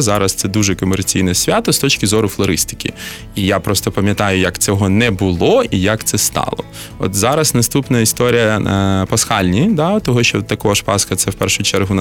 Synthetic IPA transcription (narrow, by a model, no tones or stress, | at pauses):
zɑɾɐst̪sɛd̪uʒɛkɔmert͡sʲijnɛsʲʋʲat̪ɔst̪ɔt͡ʃkʲɪzɔɾʊflˠɔɾɪst̪ɪ̥kʲḭ | ijapɾɔst̪ɔpɐmʲjɐt̪ɑjʊjɐkt̪sʲɛɦɔnɛbʊlˠɔijɐkt̪sɛst̪ɑ̰lˠɔ̰ | ɔ̰t̪zɑɾɐsnɐst̪upnɐist̪ɔɾʲijɐpɐsxɑlʲnʲid̪at̪ɔɦɔʃt͡ʃɔt̪ːɐkɔɦɔʃpɑskɐt̪sɛwpɛrʃʊt͡ʃɛrɦʊn